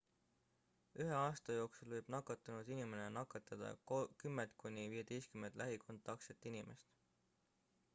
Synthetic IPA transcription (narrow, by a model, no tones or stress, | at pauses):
yɦe̞ɑːst̪ɑjo̞ːksulvɤjb̥nɑkːˑɑt̪ːˑɑnud̪̥inime̞nenɑkːˑɑt̪ːɑd̪̥ɑ̰kymːent̪̚ˑkunʲiviːje̞t̪e̞jst̪kyme̞nt̪lʔæɦikʰo̞nt̪ːˑɑkset̪ːˑinimʔe̞st̪